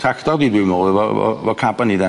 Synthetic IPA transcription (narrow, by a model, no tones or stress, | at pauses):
tʰraktɔrdiːdwɪwmɔːvɔɔ̰vɔkʰabanidɛ